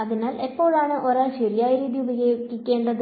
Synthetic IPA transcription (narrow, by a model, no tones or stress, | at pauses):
ɐðinaːlepːo̞ːɭaːɳɨʔoːɾaːlɕeɾijaːjɐɾiːðijubɐjokːikʲːeːɳɖɐðɨ